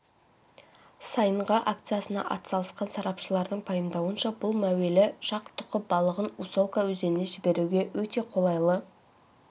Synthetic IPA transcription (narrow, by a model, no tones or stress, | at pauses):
sɑjəɴʁɑʔakt̪sijasənɑ̰ʔɑ̰t̪sɑlˠəsqɑnsɑɾɑpʃəlˠɑɾd̪əɴpʰɑjəmd̪ɑwənʃɑbʊlˠmæwe̞lɪʃɑqt̪ʰʊ̥qəp̚bɑlˠəʁənuso̞lˠkawɵze̞nneʒɪbe̞ɾuɡʲe̞wɵt̪e̞qʰo̞lˠɑjlˠə